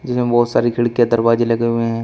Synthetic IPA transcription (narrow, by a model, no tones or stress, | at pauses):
d͡ʒɪsmẽbɔːt̪saːɾikʰɪɭkijad̪ɐɾbaːd͡ʒilɐɡeɦʊeɦɛ̃ː